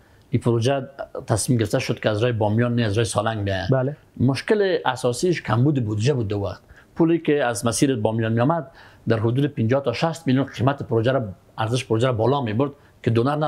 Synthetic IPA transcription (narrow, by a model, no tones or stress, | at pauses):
ipʰʊɾod͡ʒat̪ʰasmimɡɪɾɪft̪aʃʊd̪kɪazɾɔjɪbɔmjɔnːeazɾɔːjɪsɔlaŋɡbija | mʊʃkɪlɪasɔsiʃkʰambud̪ɪbud̪id͡ʒabud̪̚ːauwaqt̪ | pulikɪazmasiːɾbɔmjɔnmejɔmad̪̚ːaɾɦʊd̪uːd̪ɪpɪnd͡ʒɔt̪ɔʃast̪miljunqʰimat̪ɪpʊɾod͡ʒaɾa | aɾzɪʃpʊɾod͡ʒaɾabɔlɔmebʊɾd̪ | kɪd̪onaɾna